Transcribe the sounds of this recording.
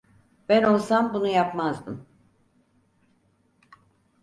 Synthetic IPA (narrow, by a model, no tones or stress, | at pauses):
b̥æno̞lˠsambunujapmazbɯ̰m